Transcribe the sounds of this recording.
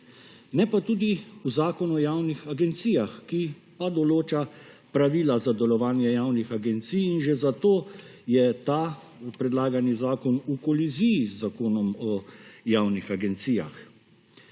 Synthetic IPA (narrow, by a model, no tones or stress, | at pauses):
nɛpat̪uːd̪iuzaːkɔnɔjaːwnixaɡɛnt̪sijaxkipad̪ɔloːt͡ʃa | pɾaʋiːlazad̪ɛlɔʋaːnjɛjaːwnixaɡɛnt̪sijːnʒezat̪oː | jɛt̪a | pɾɛd̪laːɡanizaːkɔnukɔlizijizakoːnɔmɔjaːwnixaɡɛnt̪siːja̰x